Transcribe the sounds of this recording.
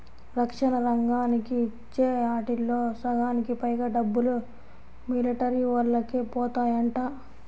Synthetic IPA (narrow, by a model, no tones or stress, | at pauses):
ɾɐkʂɐnɐɾɐŋɡaːnikit͡ʃːeːaːʈilːoːsɐɡaːnikipɐjɡaːɖɐbːulu | miliʈɐɾiʋɐlːɐkipɔːt̪aːjɐɳʈaː